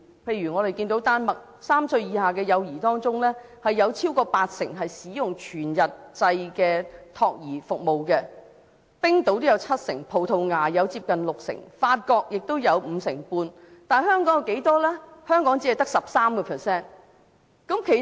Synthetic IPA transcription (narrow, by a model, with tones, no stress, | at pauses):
pʰe˧jyː˨˩ŋɔː˨˧ɾe˨jkiː˧nt̪o˨˥wt̪aː˥nmɐ˨k̚ | saː˥msɵ˧ɥjiː˨˧haː˨˩kɛː˧jɐ˨˧wjiː˨˩t̪ɔː˥ŋt͡sʊ˥ŋlɛː˥hɐ˨jːɐ˨˧wt͡sʰiː˥wkɔː˧paː˧t̚sɪ˨˩ŋɦɐ˨jsiː˨˥jʊ˨ŋt͡ʃʰyː˨˩njɐ˨t̚t͡sɐ˧jkɛː˧t̪ʰɔː˧k̚jiː˨˩fʊ˨k̚mo˨wkɛː˧ | pɪ˥ŋt̪o˨˥wt̪o˥jɐ˨˧wt͡sʰɐ˥t̚sɪ̰˨˩ŋpʰo˨˩wt̪ʰo˧wŋaː˨˩jɐ˨˧wt͡siː˧p̚kɐ˨nlʊ˨k̚sɪ̰˨˩ŋfaː˧t̚kɔː˧k̚jɪ˨k̚t̪o˥wjɐ˨˧wm̩ː˨˧sɪ̰˨˩ŋpuː˧n | t̪aː˨nhœː˥ŋkɔː˨˥ŋ˨˧wke˨˥jt̪ɔː˥lɛ˥hœː˥ŋkɔː˨˥ŋt͡si˨˥ɐ˨jt̪ɐ˥ksɐ˨p̚saː˥mkɔː˧pʰɛː˨˩sɛː˥˩n | kɐ˨˥mkʰe˨˩